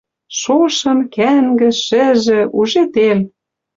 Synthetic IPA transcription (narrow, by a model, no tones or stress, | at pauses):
ʃoʃɤ̆mkæŋɡɘ̆ʃɘ̆ʒɘ̆uʒet̪el